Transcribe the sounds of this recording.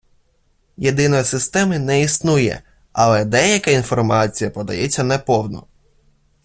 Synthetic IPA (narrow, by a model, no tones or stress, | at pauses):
jed̪ɪnɔjsɪst̪ɛmɪnɛisnujɛ̰ | ɐlˠɛd̪ɛjɐkainfɔrmɑt͡sʲijɐpɔd̪ɐ̰jɛt͡sʲːɐnɛpɔwnɔ̰